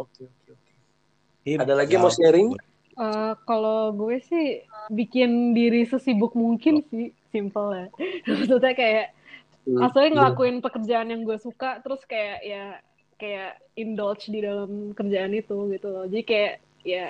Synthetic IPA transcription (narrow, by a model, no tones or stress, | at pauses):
okeokeoke | iadalaɡimoseɾɪŋ | əkaloɡuɛsɪhbikɪndiɾisəsibʊk̚muŋkɪnsɪhsimpəlaabət̪ult̪akajaʔ | masulɲaŋəlakuɪnpəkərd͡ʒaːnjaŋɡuɛsukat̪əɾʊskajaʔja | kajaʔ | indɔlt͡ʃdidalamkərd͡ʒaːnit̪uɡit̪ulod͡ʒadikajaʔ | ja